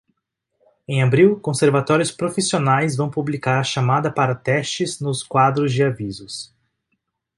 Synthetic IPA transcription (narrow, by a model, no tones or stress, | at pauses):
ẽj̃abɾiwkõseɾvat̪ɔɾjʊspɾofisionajzvɐ̃w̃publikaɾɐʃamad̪ɐpaɾɐt̪ɛst͡ʃɪznʊskwad̪ɾʊzd͡ʒɪavizʊs